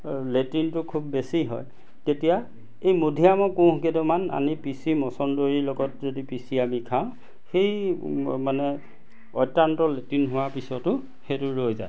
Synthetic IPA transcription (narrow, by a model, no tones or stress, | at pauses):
letintʊkʰubːesiɦɔ̰j | ketija | ejmodʱijamɔkʊ̃ɦkedɔmana̰nipisimɔsɔndoɹiloɡɔt̚zodipisiamikʰaʊ̃ | xejmanɛ | ɔjtːantɔletinɦʊwapisɔtʊ | xetʊɹojza̰j